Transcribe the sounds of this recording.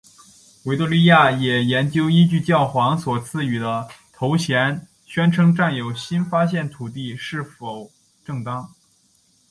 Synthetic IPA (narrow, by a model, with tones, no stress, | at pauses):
we˧˥ɪt̪u˥˧ly˥˧ja˥˩jɛ˨˩jɛ˧˥nt͡ɕjo˥ʊi˥t͡ɕy˥˧t͡ɕjɑ˥˩ʊxwɑ˧˥ŋswɔ˨˩t͡sʰɹ̩˥˩y˨˩d̪ə˦t̪ʰo˧˥ʊɕʰjɛ˧˥n | ɕɥɛ˥nʈ͡ʂʰɤ˧˥ŋʈ͡ʂa˥˩njo˨˩ʊɕi˥nfa˥ɕ̬jɛ˥˩nt̪ʰu˨˩t̪̬i˥˧ʂɻ̩˥˩fo˨˩ʊ | ʈ͡ʂɤ˥˧ŋt̪ɑ˥ŋ